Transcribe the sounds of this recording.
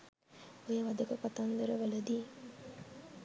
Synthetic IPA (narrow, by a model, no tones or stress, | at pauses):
ojəʋɐd̪əkəpat̪and̪əɾəʋɐləd̪iː